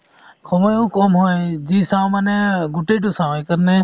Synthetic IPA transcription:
kʰɔmɔjɔwkɔmɦɔjzisawmanɛɡuʈeʈusawjkəɾnɛ

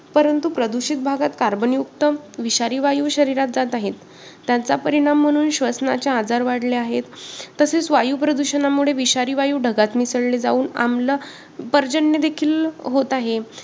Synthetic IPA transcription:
pəɾənt̪upɾəd̪uɕit̪̚bʱaɡat̪kaɾbənjukt̪əʋiɕaɾiːʋajuːɕəɾiɾat̪̚d͡zat̪aɦet̪ː | jat͡sapəɾiɽ̃am̤ːəɽ̃uːnɕʋəsnat͡ɕaːd͡zaɾʋaɽleaɦet̪ːəset͡sʋajuːpɾəd̪uɕənamuɽ̤eʋiɕaɾiːʋajuːɖʱəɡat̪misəɽled͡za̰uːna̰mlə | pəɾd͡ʑəɳːed̪ekʰiːlɦot̪aɦe

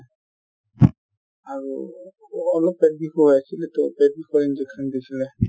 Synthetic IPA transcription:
aɹṵ | ɔlɔpːɛd̚bixɔɦɔjasilɛtɔpɛd̚bikɔɹind͡ʒɛksɔndesilɛ

